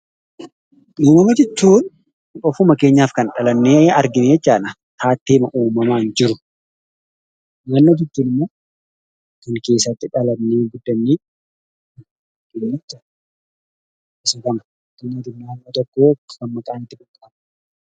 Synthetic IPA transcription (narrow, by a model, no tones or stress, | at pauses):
ʔuːmɐmɐd͡ʒɛt͡ʃːuːn | ɔfʊmɐke̞ːɲːaːfkɐnᶑɐlɐnːeːɐɾɡɪneɛt͡ʃːaːnɐ | t̪ʰaːt̪ːeːmɐʔuːmɐmaːɪnd͡ʒɪɾʊ | nɐnːoːd͡ʒɪt͡ʃːuːnɪmːoː | kɐŋke̞ːsːɐt̪ːɪᶑɐlɐnnːeːɡʊd̪ːɐnːiː | ɡɪnɛt͡ʃːɐ | ɪsɐkɐnɐ | t̪ːɪnːad̪ɪnːaːnːoːt̪ɔkːoːɡɐmmɐkʼaːnt̪ːɪkʼʊkʼːɐm